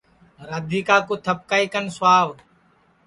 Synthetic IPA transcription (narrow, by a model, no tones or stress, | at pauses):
ɾəd̪ʱiːkaːkoːt̪ʰəp̚kaːiːkənsʊwaːʋ